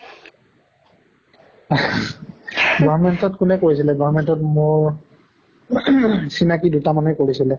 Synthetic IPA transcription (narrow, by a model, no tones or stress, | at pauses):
ɡɔɹmɛntɔtkʊnɛkoɹisilɛɡɔɹmɛntɔtmoɹ | sinakidutamanɛkoɹisilɛ